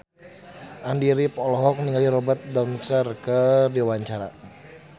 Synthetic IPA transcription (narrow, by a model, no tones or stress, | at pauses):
ʔandiɾipɔlɔɦɔk̚niŋaliɾɔbat̪̚dansərkədiwaɲt͡ʃaɾa̰